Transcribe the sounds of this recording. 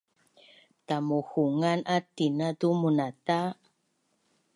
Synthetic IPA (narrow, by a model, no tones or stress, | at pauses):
tamuhuŋanʔatinatumunata